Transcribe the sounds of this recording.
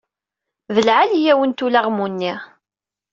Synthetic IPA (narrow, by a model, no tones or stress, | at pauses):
ðəlʕalijæwənt̪ulaʁmunːiʁ